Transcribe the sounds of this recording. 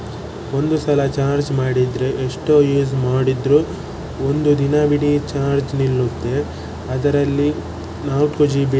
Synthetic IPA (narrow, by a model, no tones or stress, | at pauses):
o̞nd̪usɐlɐt͡ʃaːɾd͡ʒmaːɽid̪ɾe̞ʔeʂʈojuːzmaːɽid̪ɾu | ond̪ud̪inɐbiɽit͡ʃaːɾd͡ʒnilːut̪ːe̞ | ɐd̪ɐɾɐlːi | naːwʈkud͡ʒibi